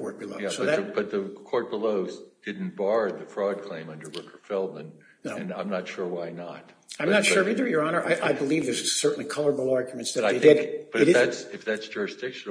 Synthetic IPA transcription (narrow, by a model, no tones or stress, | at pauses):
kʰɔɹt̚b̥ɨloʊjæsoʊʌðɨɨb̥ʌt̪̚ðɨkʰɔɹt̚b̥əloʊzd̥ɪdⁿn̩b̥ɑɹðɨfɹɔd̚kʰl̥ẽɪ̃mʌ̃ndə˞wɪkʰə˞fɛlˠdɨ̃n | noɨ̃nãɪ̃mnətʃʊɹwaɪnə̰t̚ãɪ̃nətʃʊɹfɪ̃ðə˞jə˞ɑnə˞ʔaɪʔaɪbəlivðə˞zsɜ˞ʔn̩likʰʌlˠə˞əbl̩ˠɑɹɡjmɨ̃ntsðɨaɪeɪɪdb̥ʌɾɨɾætsɨfðætsd̥ʒ̥ʊɹɨsd̥ɪkʃɨ̃n